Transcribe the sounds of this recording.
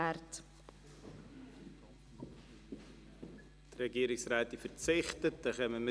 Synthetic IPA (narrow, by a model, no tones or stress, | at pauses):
ært | d̥rɛɡiːɾɪksraːtɪfərt͡sɪχtət̚d̥ɑχɛməmɪ